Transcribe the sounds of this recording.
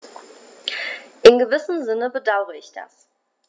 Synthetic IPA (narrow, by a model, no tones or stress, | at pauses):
ʔɪnɡəvɪsn̩zɪnəbədaʊʁəɪçd̥a̰s